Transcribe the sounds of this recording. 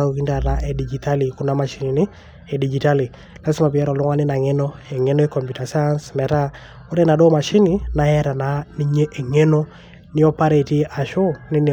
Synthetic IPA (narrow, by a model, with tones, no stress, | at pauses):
au˨ki˦nda˨ɾa˦ʔɛ˨di˨d͡ʒi˨ta˦li˨kʊ˦na˦ma˨ʃi˦ninɪ˦ | ɛ˨di˨d͡ʒi˨ta˦li˨ | la˦sɪ˦ma˨pi˨ɛ˦ɾɔ˨lʊ˦ŋa˦nɪ˦na˨ŋɛ˦nɔ˦ɛ˨ŋɛ˦nɔ˦ɛ˦kɔ˨mpu˨ta˨sa˦nsmɛ˨ɾa˦ | o˦ɾɛna˨dɔ˦ma˨ʃi˦nɪ˨na˨ɛ˦ɾa˨na˦ni˦ɲe˦ʔɛ˨ŋɛ˦nɔ˦ | nɪ˦ɔ˦pa˦ɾe˨ti˦ʔa˨ʃo˦nɪ˦nɪ˨